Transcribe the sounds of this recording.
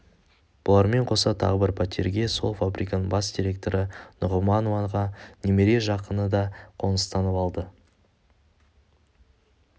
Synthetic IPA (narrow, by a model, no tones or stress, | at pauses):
b̥ʊlˠɑɾme̞ɴqʰo̞sɑt̪ʰɑ̰ʁəbɪɾpʰat̪ʰʲḭɾɡʲe̞so̞̰lˠfabɾikanəɴbɑsd̪ʲiɾʲe̞k̚t̪o̞ɾənʊʁʊmɑnoɑɴʁɑnʲemeɾeʒɑqənəd̪ɑqʰo̞nəst̪ɑnəpɑlˠd̪ə